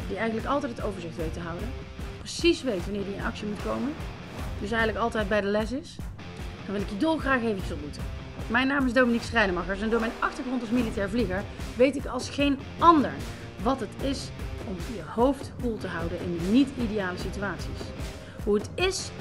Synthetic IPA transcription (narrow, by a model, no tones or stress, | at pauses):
diɛjxənləkɑlˠtɛjtətowvəɹzɪxtʋejtəɦɑwdə | prəsisʋejtʋɑnɪːɹjiɪnɑ̰ksimutkowmən | d̥ɵs̬ɛjɣənləkɑlˠtɛjd̚bɛjdəlɛsɪs | d̥nʋɪlɪkjədɔlˠχraːxejvəisʋɪlˠbutə | mɛjnːaːmɪzdowminiksrɛjdəmɑχəɹsɛndoːɹmɛjnɑxtəɹχrɔntɑlˠsmilitɛːɹvliɣəɹʋejtɪkɑlˠsχejn | ɑndəɹ | ʋɑtətɪsɔmjəhowftkulˠtəɦɑwdənʔɪ̰nnitidejaːləsityaːtsis | ɦuətɪs